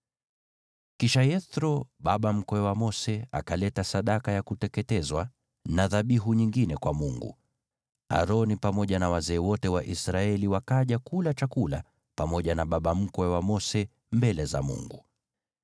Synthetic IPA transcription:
kiʃajɛθɾɔɓaɓam̩kɔɛwamɔsɛa̰kalɛtasaɗakajakutɛkɛtɛzwa | naðaɓiɦuɲiŋɡinɛkwamuŋɡṵ | a̰ɾɔnipamɔʄanawazɛːwɔtɛwaʔisɾaɛliwakaʄakulat͡ʃakula | pamɔʄanaɓaɓam̩kɔɛwamɔsɛ | mbɛlɛza̰mṵŋɡu

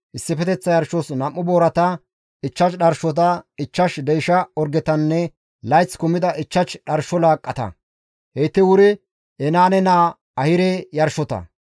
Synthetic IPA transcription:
ʔɪsːɪfɛt̪ɛt͡sːɐjɐɾʃɔsnɐmːʊboːɾɐt̪ɐ | ɪt͡ʃːɐt͡ʃɗɐɾʃɔt̪̬ɐɪt͡ʃːɐʃd̪ɛjʃɐɔɾɡɛt̪ɐnːɛ | lɐjt͡skʊmɪd̪ɐʔɪt͡ʃːɐt͡ʃɗɐɾʃɔlaːkʼːɐt̪ɐ̰ | hejt̪ːɪwʊɾɪ | ɛnaːnɛnaː | ɐhɪɾɛjɐɾʃɔt̪ɐ̰

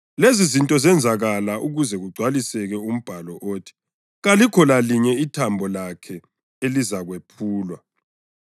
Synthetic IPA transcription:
lezizintʼɔzɛnd͡zʱaɣalaʔuɣuzɛɣuɡ͡ǀʱwalisɛɣɛum̩b̥ʱalɔʔoːtʰi̥ | ɣalikʰɔlaliɲɛitʰambʱɔlakʰɛ | elizaɣwepʰuːlwa

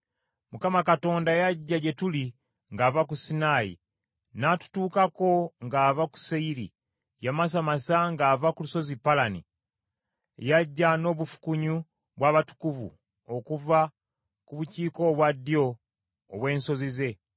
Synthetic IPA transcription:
mukamakato̞ːndajaɟːaɟe̞tuli | ŋɡaːvakusinajḭ | natu̥tuːkako̞ŋɡaːvaku̥seiɾi | jamas̬amasaŋɡavakuluso̞zipalanḭ | jaɟːano̞ːβufu̥kuɲu | βwaːβatu̥kuvṵ | o̞kuva | kuβuciːko̞ːβwadio̞ː | βwe̞ːnso̞zize̞

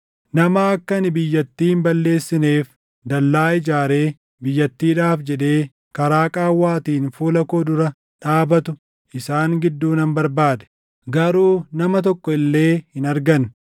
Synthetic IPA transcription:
nɐmɐɐkːɐnɪbɪjːɐt̪ːiːhɪmbɐlːe̞ːsːɪneːf | d̪ɐlːaːɪd͡ʒaːɾe̞ː | bɪjːɐt̪ːiːᶑaːfd͡ʒɛᶑe̞ː | kɐɾaːkʼaːwːaːt̪iːnfuːlɐkoːd̪ʊɾɐ | ᶑaːbɐt̪ʊ | ʔɪsaːŋɡɪd̪ːuːnɐmbɐɾbaːd̪ɛ̥ | ɡɐɾuːnɐmɐt̪̬ɔkːɔɪlːe̞ːhɪnɐɾɡɐn

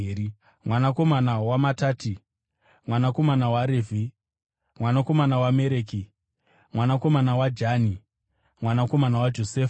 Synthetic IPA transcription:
i | mwanako̞manawamataːti | mwanako̞manawaɾeːvʱi | mwanako̞manawame̞ɾeːk̬i | mwanako̞manawad͡ʒani | mwanako̞manawad͡ʒo̞seːf

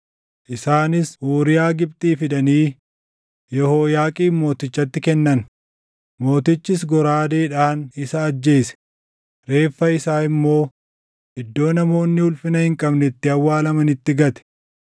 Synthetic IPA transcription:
ʔɪsaːnɪsʔoːɾɪjaːɡɪb̚t̪ʼiːfɪd̪ɐniː | jɔho̞ːjaːkʼiːmo̞ːt̪ɪt͡ʃːɐt̪ːɪkɛnːɐn | mo̞ːt̪ɪt͡ʃːɪs̬ɡɔɾaːd̪eːᶑaːnɪsɐːd͡ʒːe̞ːsɛ̥ | ɾe̞ːfːɐɪsaːɪmːo̞ː | ʔɪd̪ːo̞ːnɐmo̞ːnːɪʊlfɪnɐhɪŋkʼɐbnɛt̪ːɪɐwːaːlɐmɐnɪt̪ːɪɡɐt̪ɛ̥

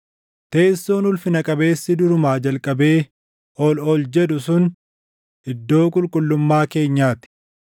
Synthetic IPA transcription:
t̪e̞ːsːoːnʊlfɪnɐkʼɐbe̞ːsːɪd̪ʊɾʊmaːd͡ʒɐlkʼɐbe̞ː | ɔlɔld͡ʒɛd̪ʊsʊn | ɪd̪ːo̞ːkʼʊlkʼʊlːʊmːaːke̞ːɲːaːt̪ɪ̥

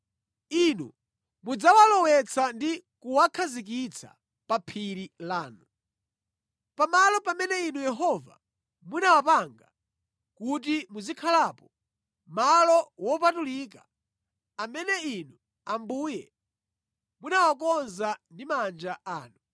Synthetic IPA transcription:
inṵ | mud͡zawalɔwɛt͡sʰandikuwakʰazik̬it͡sʰa̰ | papʰiɾilaːnu | pamalɔpamɛnɛinujɛɦɔva̰ | munawapaŋɡa | kut̬imuzikʰalapɔ | malɔwɔpatulika | amɛnɛinu | ambuːjɛ | munawakɔnzandimand͡ʒaaːnu

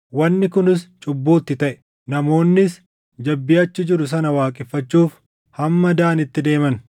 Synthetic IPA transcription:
wɐnːɪkʊnɪst͡ʃʼʊbːoːt̪ːɪt̪ɐʔɛ̥ | nɐmo̞ːnːɪs | d͡ʒɐbːɪjɐt͡ʃːɪd͡ʒɪɾʊs̬ɐnɐwaːkʼɪfːɐt͡ʃːuːf | hɐmːɐd̪aːnɪt̪ːɪd̪e̞ːmɐn

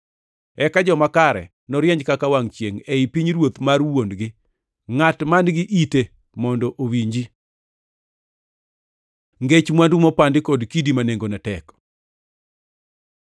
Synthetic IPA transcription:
ɛkad͡ʒɔmakaɾɛ̰ | nɔɾjɛɲd͡ʒkakawaŋt͡ʃjeŋeipiɲɾwot̪marwondɡɪ | ŋatmanɡɪʔite | mɔndɔʔowiɲd͡ʒi | ŋɡet͡ʃmwandumɔpandɪkɔdkidimaneŋɡonatɛk

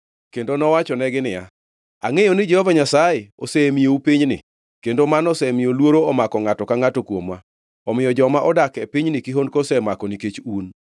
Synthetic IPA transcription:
kendonɔwat͡ʃɔnɛɡɪnɪja | a̰ŋejonɪd͡ʒɛhɔvaɲasajeo̰semijoupiɲnɪ̰ | kendomanɔsɛmiolwoɾoɔmakɔŋatɔkaŋatɔkwomwa | ɔmɪjɔd͡ʒɔmaʔɔdakepiɲnɪkiɦondkɔsɛmakɔniket͡ʃun

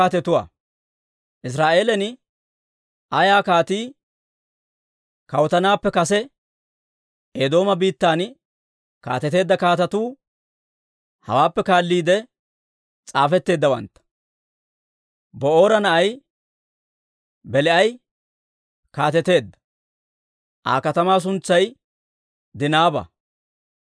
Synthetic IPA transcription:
aːt̪ɛt̪ʊwa̰ː | ʔɪs̬ɾaːʔe̞ːlɛn | ɐjaːkaːt̪iː | kɐwt̪ɐnaːpːɛkɐsɛ | ʔeːd̪o̞ːmɐbiːt̪ːaːn | ka̰ːt̪ɛt̪e̞ːd̪ːɐkaːt̪ɐt̪uː | hɐ̰waːpːɛkaːlːiːd̪ɛ | t͡sʼaːfɛt̪ːe̞ːd̪ːɐwɐ̰nt̪ːɐ̥ | bɔo̞ːɾɐnɐʔɐj | bɛlɛɐj | kaːt̪ɛt̪e̞ːd̪ːɐ̥ | ʔa̰ːkɐt̪ɐmaːs̬ʊnt͡sːɐj | d̪ɪnaːbɐ̰

